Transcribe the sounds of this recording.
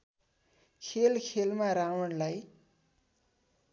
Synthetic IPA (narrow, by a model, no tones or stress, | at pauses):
kʰelkʰelmaɾawʌnlaj